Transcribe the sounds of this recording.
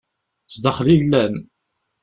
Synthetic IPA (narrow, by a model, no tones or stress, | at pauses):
sd̪əχlilːæn